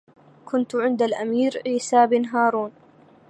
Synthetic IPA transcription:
kʰʊnt̪ʕɪnd̪alʔamiːɾʕiːsaːbɪnɦaːɾˤuːn

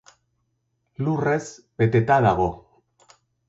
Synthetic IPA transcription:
lure̞zbe̞t̪e̞t̪aðaɣ̞o̞

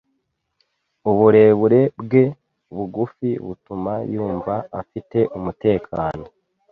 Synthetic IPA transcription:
uβuɾe̞ːβuɾe̞bɡe̞ | βuɡufiβutumajuːɱvaafite̞ʔumute̞ːkʰaːno̞

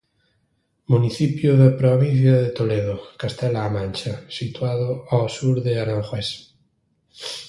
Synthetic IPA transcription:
muniθipjoðapɾoβĩn̟θjaðet̪oleð̞okast̪ɛlaːmãnt͡ʃasit̪waðoawsuɾðeaɾãŋxwes

